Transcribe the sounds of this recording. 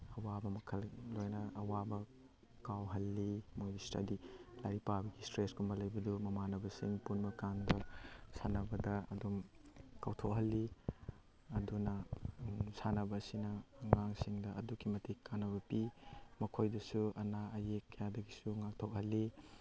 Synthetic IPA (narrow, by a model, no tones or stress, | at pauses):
ɐwabɐmɐkʰɐllojnɐɐwabɐ | kawɦɐlːimojdistɐ̰dilaɾipabɐɡistɾeskumbɐlɐjbɐdumɐmanɐbɐsḭŋpunbɐkandɐsanɐbɐdɐɐ̰dumkawtʰok̚ɦɐlːi | ɐdunɐ | sanɐbɐːsinɐːŋaŋsiŋdɐʔɐdukimɐtikːanːɐβɐpimɐkʰojdɐsuɐ̰naɐjekːɐjadɐɡisuŋak̚tʰok̚hɐlːi